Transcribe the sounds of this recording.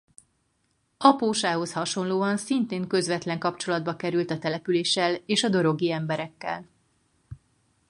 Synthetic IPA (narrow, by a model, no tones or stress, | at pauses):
ɒpoːʃaːɦo̞shɒʃo̞nloːɒnsint̪eːŋkø̞zʋɛt̪lɛŋkɒpt͡ʃo̞lɒd̪̚bɒkɛɾylt̪ɒt̪ɛlɛpyleːʃɛleːʃɒd̪o̞ɾo̞ɡiɛmbɛɾɛkːɛ̰l